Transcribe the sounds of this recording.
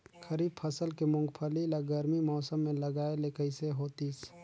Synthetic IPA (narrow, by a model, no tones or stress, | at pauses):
kʰəɾiːb̚pʰəsəlkemʊ̃ŋɡpʰəlilaɡəɾmimɔːsəmːẽlɐɡaːeleːkəiseɦoːt̪is